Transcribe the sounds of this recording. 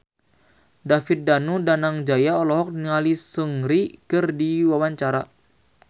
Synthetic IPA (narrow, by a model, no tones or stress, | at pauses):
dafit̪̚danudanaŋd͡ʒajaɔlɔɦɔk̚niŋalisəŋɾikɨrdiwawaɲt͡ʃaɾa